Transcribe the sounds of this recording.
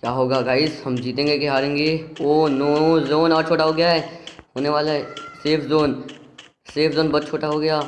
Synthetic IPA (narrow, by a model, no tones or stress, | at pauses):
kjaːɦoːɡaːɡaːɪshɐmd͡ʒiːt̪ẽːŋɡekeɦaːɾẽːŋɡeoːnoːzoːnɔːɾt͡ʃʰoːʈaɦoːɡəjaɦɛːɦoːneʋaːlaɦɛseːfʰzoːn | seːfzoːnbɐd̪̚t͡ʃʰoːʈaɦoːɡɐjaː